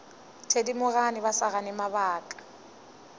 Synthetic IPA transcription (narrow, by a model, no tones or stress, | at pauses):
tʰedimʊɣanɪbasaɣanɪmabaːkʼḁ